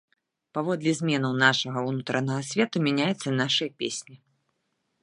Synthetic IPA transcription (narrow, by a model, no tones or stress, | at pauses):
pavɔd̪lʲɛzʲmʲɛnɐwnaʂɐɣɐunut̪ɾɐnɐɣɐsʲvʲɛt̪umʲanʲajɛt̪sːɐnaʂɨjɐpʲesʲnʲi